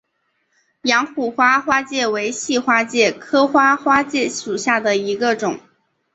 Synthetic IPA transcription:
jɑ˧˥ŋxu˨˩xwa˥xwa˥t͡ɕjɛ˥˩we˧˥ɪɕi˥˩xwa˥t͡ɕjɛ˥˩kʰɤ˥xwa˥xwa˥t͡ɕjɛ˥˩ʂu˨˩ɕja˥˩d̪ə˩i˧˥ɡə˧ʈ͡ʂʊ˨˩˦ŋ

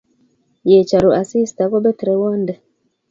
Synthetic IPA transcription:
je˨t͡ʃa˨ɾo˨a˨si˦sta˨˦kɔ˦bɛ˦tɾɛ˨wa˦ndɛ˨

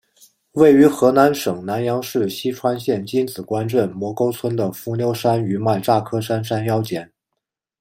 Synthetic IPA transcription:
we˥˩ɪy˧˥xɤ˧˥na˧˥nʂɤ˨˩ŋna˧˥njɑ˧˥ŋʂɻ̩˥˩ɕi˥ʈ͡ʂʰwa˥nɕjɛ˥˩nt͡ɕi˥nt͡sɹ̩˨˩kwa˥nʈ͡ʂwə˥˩nmwɔ˧˥ko˥ʊt͡sʰwə˥nd̪ə˨fu˧˥njo˥ʊʂa˥ny˧˥ma˥˩ɪʈ͡ʂa˥˩kʰɤ˥ʂa˥nʂa˥njɑ˥ʊt͡ɕjɛ˨˩˦n

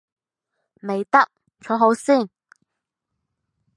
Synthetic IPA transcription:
me˨jt̪ɐ˥k̚ | t͡sʰɔː˨˥ɦo˨˥wsiː˥˩n

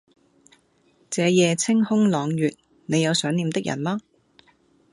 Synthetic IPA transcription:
t͡sɛː˨˧jɛː˨˧t͡sʰɪ˥ŋhʊ˥ŋlɔː˨˧ŋjyː˨t̚ | ne˨˧jɐ˨˧wsœː˨˥ŋniː˨˧mt̪ɪ˥k̚jɐ̰˨˩nmaː˥

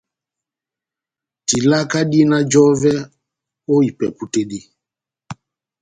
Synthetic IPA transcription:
ti˨la˦ka˦ɗi˦na˦d͡ʒɔ˦vɛ˦ | o˦i˨pɛ˨pu˦te˦di˦

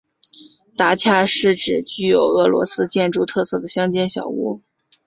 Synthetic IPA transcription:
t̪a˧˥t͡ɕʰja˥˧ʂɻ̩˥˩ʈ͡ʂɻ̩˨˩t͡ɕy˥˩jo˨˩ʊɤ˧˥lwɔ̰˧˥sɹ̩˥t͡ɕjɛ˥˧nʈ͡ʂu˥˧t̪ʰɤ˥˧sɤ˥˩d̪ə˩ɕjɑ˥ŋt͡ɕjɛ˥nɕjɑ̰˨˩ʊṵ˥˩

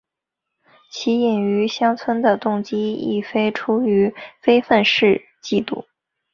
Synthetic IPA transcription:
t͡ɕʰi˧˥jɛ˨˩ny˧˥ɕjɑ˥ŋt͡sʰwə˥nd̪ə˨t̪ʊ˥˩ŋt͡ɕi˥ḭ˥˩fe˥ɪʈ͡ʂʰu˥y˧˥fe˥ɪfə˥˧nʂɻ̩˥˧ | t͡ɕi˥˧t̪ṵ˥˩

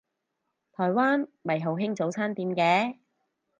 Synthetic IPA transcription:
t̪ʰɔː˨˩jwaː˥nmɐ˨jɦɐ˨˩wɦɪ˥ŋt͡so˨˥wt͡sʰaː˥nt̪iː˨˧mkɛː˨˧˥

